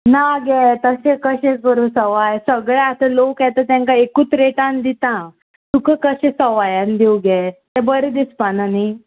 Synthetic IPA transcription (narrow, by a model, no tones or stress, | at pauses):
naɡɛt̪əɕẽkəɕẽkəɾusəʋajsəɡɭaat̪əlokat̪ət̪ãŋkaekuːt͡sɾeʈãnd̪it̪ã | t̪ukəkəɕẽsəʋajand̪iwɡɛt̪ɛ̃bəɾed̪ispanani